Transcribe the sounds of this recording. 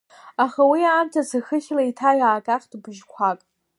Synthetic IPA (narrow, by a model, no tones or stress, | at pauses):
aχawiaːmtʰasaxɨʃʲlaitʰaɥaːkʼaqʲʼdbɨʒkʷʰakʼ